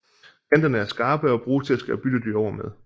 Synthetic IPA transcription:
kʰend̥ɐnəæɐsɡ̥ɑ̈ːb̥əɒ̽b̥ʁuːt͡sʰe̝læsɡ̥æb̥yd̥əd̥yɒʊ̰ɐmeð̞ˠ

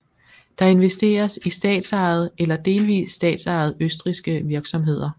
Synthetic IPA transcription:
d̥ɑ̈e̝nʋesd̥e̝̰ːɐsisd̥ɛ̰ːd̥sɑ̈ːð̞̩ˠelɐd̥e̝ːlʋḭːsːd̥ɛ̰ːd̥sɑ̈ɪð̞̩ˠøsd̥ʁisɡ̥əʋiɐɡ̥sɒ̽mɦe̝ð̰ˠɐ

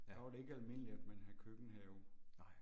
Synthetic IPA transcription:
ɑʋɑ̈ɾe̝e̝ɡ̥ælme̝n̰əlid̥menɦækʰøɡ̥n̩ɦɛːʊ

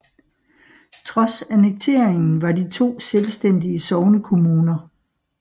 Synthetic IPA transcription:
t͡sʰʁɒ̽sæneɡ̥̚t͡sʰe̝̰ɐ̰eŋn̩ʋɑ̈dit͡sʰo̝̰ːselsd̥en̰d̥iəsɒʊnəkʰo̝muːnɐ

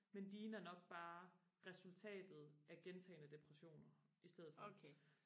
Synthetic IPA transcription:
mend̥iːnɐnɒ̽ɡ̥̚b̥ɑ̈ːʁɛsult͡sʰɛ̰ːd̥ð̞̩ˠʔæɡ̥ent͡sʰɛ̰ɪnəd̥e̝pʰʁɛɕo̝̰ːnɐisd̥eð̞̰̩ˠfɒ

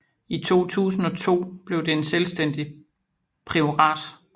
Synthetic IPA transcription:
it͡sʰo̝̰ːt͡sʰṵːsn̩ɒ̽t͡sʰo̝̰ːb̥le̝ʊd̥e̝enselsd̥en̰d̥i | pʰʁio̝ʁɑ̰̈ːd̥

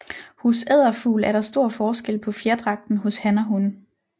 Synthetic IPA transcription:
hosɛð̞̰ˠɐfṵːlæɐɾ̥ɑ̈sd̥o̝ɐ̰fɒːsɡ̥el̰pʰɒ̽fjeɐd̥ʁɑ̈ɡ̥̚d̥n̩ɦɔ̽shænɐɦun

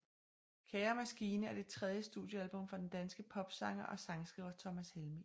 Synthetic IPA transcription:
kʰɛɪɐmæsɡ̥iːnəæɐd̥e̝t͡sʰʁɛð̞ˠjəsd̥ṵðˠjəælb̥ɔ̽mfɑ̈d̥end̥ænsɡ̥əpʰɒ̽b̥sɑ̈ŋɐʔɒ̽sɑ̈ŋsɡ̥ʁḭːʊɐt͡sʰɒ̽mæshelmi

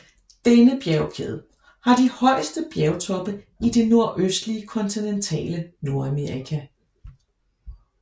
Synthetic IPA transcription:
d̥enəb̥jæʊkʰeð̞ˠ | hɑ̈d̥ihɒ̽ɪ̰əsd̥əb̥jɛʊt͡sʰɒ̽b̥ə | ide̝no̝ɐ̰ʔøsd̥liəkʰɒ̽nt͡sʰinent͡sʰɛ̰ːləno̝ɐæmeʁikʰæ

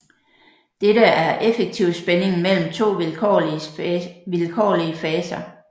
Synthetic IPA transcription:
d̥eɾəæɐʔefeɡ̥̚t͡sʰiʊ̰sb̥ene̝ŋmel̰m̩t͡sʰo̝̰ːlkʰɒ̰ | ʋilkʰɒ̰ːliəfɛːsɐ

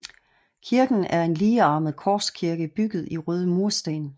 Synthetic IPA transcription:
kʰiɐɡ̥n̩æɐe̝nliːɑ̈ːməð̩ˠkʰɒːskʰiɐɡ̥əb̥yɡ̥ð̩ˠiʁøːð̞ˠəmuɐsd̥ɛːn

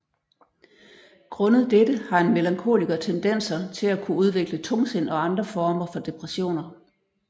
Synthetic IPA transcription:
ɡ̥ʁɔ̽nəð̩ˠd̥ed̥əhɑ̈e̝nmelɑ̈ŋkʰo̝̰ːliɡ̥ɐt͡sʰend̥en̰sɐt͡sʰe̝lækʰuuð̞ˠʋe̝ɡ̥lət͡sʰɔ̽ŋse̝n̰ɒ̽ɑ̈nd̥ʁɐfɒːmɐfɒ̽d̥e̝pʰʁɛɕo̝̰ːnɐ

